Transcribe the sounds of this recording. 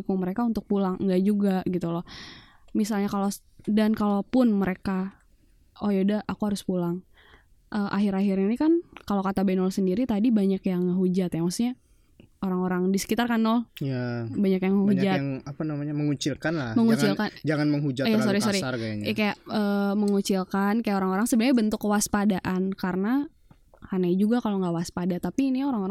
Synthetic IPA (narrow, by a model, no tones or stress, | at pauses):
kʊŋməɾekaunt̪ʊk̚pulaŋŋɡaʔd͡ʒuɡaɡit̪ulɔ | misalɲakalo | dankalopʊnməɾeka | ojodaʔakuɦaɾʊspulaŋ | ʔəʔaɦiɾaɦiɾinikankalokat̪abanɔlsəndiɾit̪adibaɲakjaŋaɦud͡ʒat̪jamasɲa | oɾaŋoɾaŋdisə̥kit̪arkanːɔljabaɲakjaŋəɦud͡ʒatŋapanamaɲaməŋut͡ʃilkanlaməŋut͡ʃilkand͡ʒaŋanməŋɦud͡ʒat̪ijasoɾisoɾirkaɲkajaʔəːməŋut͡ʃilkankajaoɾaŋoɾaŋsəbənɲabənt̪ʊkːəwaspadaʔankaɾəna | hanajd͡ʒuɡakaloŋɡawaspadat̪apinioɾaŋoɾaŋ